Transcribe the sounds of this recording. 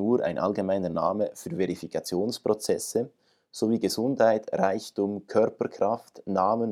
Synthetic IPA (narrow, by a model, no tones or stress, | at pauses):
uːɾʔa̰ɪnʔa̰lɡemaɪnənaːməfyːveʁifikʰɑt͡sjoːnspʁot͡sɛsə | z̥oviːɡəzʊndhaɪtʁaɪçtʊmkʰœɾpəkʰʁaftnaːmən